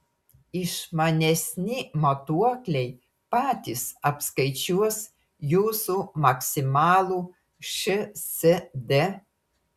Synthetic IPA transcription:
ɪʃmɐnʲɛsʲnʲɪmɐt̪uɔkʲlʲɛɪ | pɑːt̪ʲɪsɐpskɐɪt͡ʃʲuɔs | juːsumɐksʲɪmɑːlˠuː | ʃʲɨsʲɛd̪ʲe

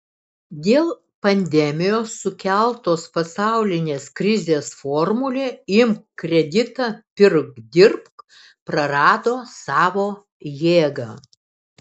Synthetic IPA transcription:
d̪ʲeːlˠ | pɐnʲd̪ʲɛmʲɪjoːsːʊkʲælˠt̪oːspɐsɑˑʊlʲɪnʲeːskɾʲɪzʲeːsfɔːɾmʊlʲeːɪmkkɾʲɛd̪ʲɪt̪ɑːpʲɪɾkd̪ʲɪɾpk | pɾɐɾɑːd̪oːsɑːʋoː | jeːɡɑː

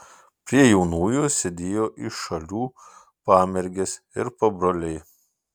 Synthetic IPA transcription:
pʲɾʲiɛjɛʊnuːjʊsʲed̪ʲeːjoːʔɪʃːɐlʲuː | pɑːmʲɛɾʲɡʲɛs | ɪɾpɐbɾoːlʲɛɪ

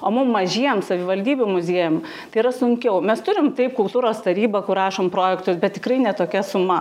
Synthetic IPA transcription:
oːmʊmːɐʒʲiɛjɛmsɐʋʲɪʋɐlʲd̪ʲiːbʲumʊzʲiɛjʊm | t̪ɐɪiɾɐsʊŋʲkʲɛʊmʲɛst̪ʊɾʲɪmt̪ɐɪp̚kʊlˠt̪uːɾoːst̪ɐɾʲiːbɐkʊrɑːʃoːmpɾoːjɛkt̪ʊsbʲɛt̪̚t̪ʲɪkrɐɪnʲɛt̪oːkʲɛsʊmɐ

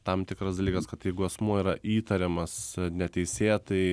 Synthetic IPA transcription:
t̪ɐmt̪ʲɪkɾɐsd̪ɐlʲiːkɐskɐt̪jɛɪɡʊɛsmuɔiːɾɐʔiːt̪ɐɾʲɛmɐsnʲɛt̪ʲɛɪsʲeːt̪ɐɪ

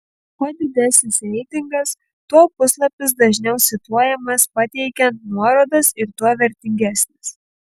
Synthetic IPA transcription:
puːd̪ʲɪd̪ʲɛsʲnʲɪsɾʲɛɪt̪ʲɪŋɡɐs | t̪uɔpʊslˠɐpʲɪs̬d̪ɐʒʲnʲɛʊsʲɪt̪uɔjɛmɐspɐt̪ʲɛɪkʲɛnt̪nuɔɾoːd̪ɐsɪɾt̪uɔʋʲɛɾʲt̪ʲɪŋʲɡʲæsʲnʲɪs

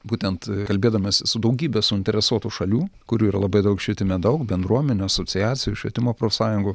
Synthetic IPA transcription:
buːt̪ʲɛnt̪kɐlʲbʲeːd̪ɐmʲeːssʊd̪ɐʊɡʲiːbʲɛsʊɪnʲt̪ʲɛɾʲɛsuɔt̪uʃɐlʲuːkʊɾʲuːiːɾɐlˠɐbɐɪd̪ɐʊkʃʲʋʲiɛt̪ʲɪmʲɛd̪ɐʊkbʲɛnd̪ɾuɔmʲɛnʲuːɐsot͡ssʲɪjæːt̪sʲɪjʊʃʲʋʲiɛt̪ʲɪmoːpɾoːfʲsɑːjʊŋɡʊ

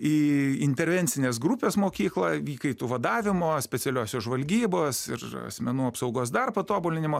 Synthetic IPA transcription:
iːɪnʲt̪ʲɛɾʲʋʲɛnʲtt͡ssʲɪnʲeːs̬ɡɾupʲeːsmoːkʲiːklˠɑʋʲiːkɐɪt̪uːʋɐd̪ɑːʋʲɪmoːsʲpʲɛtsʲɛlʲoːsʲoːʒʋɐlʲɡʲiːboːsɪ̰rɐ̰sʲmʲɛnuːɐpsɐʊɡoːs̬d̪ɐrpɐt̪oːbʊlʲɪnʲɪmoː

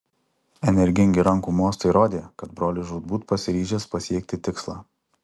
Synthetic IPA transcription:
ɛnʲɛɾʲɡʲɪŋʲɡʲɪɾɐŋˑkuːmoːst̪ɐɪɾoːd̪ʲeːkɐt̪bɾoːlʲɪʒuːd̪̚buːt̪pɐsʲɪɾʲiːʒʲɛːspɐsʲiɛk̚ʲt̪ʲɪt̪ʲɪkslˠɑː

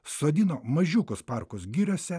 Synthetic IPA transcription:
soːd̪ʲinoːmɐʒʲuːkʊspɑɾkʊsɡʲiːɾʲoːsʲɛ

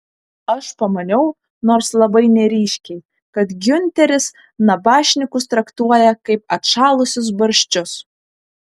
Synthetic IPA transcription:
ɐʃpɐmɐnʲɛʊ | noːɾslˠɐbɐɪnʲɛɾʲiːʃʲkʲɛɪ | kɐt̪ɡʲʊnʲt̪ʲɛɾʲɪs | nɐbɑːʃʲnʲɪkʊst̪ɾɐkt̪uɔjɛkɐɪpɐt̪ʃɑːlˠʊsʲʊs̬bɐɾʲʃʲt͡ʃʲʊs

